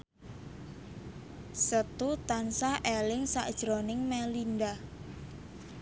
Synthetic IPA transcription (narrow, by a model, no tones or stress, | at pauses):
sət̪ut̪ansaʔelɪŋsa̰ʔd̥ʒ̥ɾonɪŋmɛlinda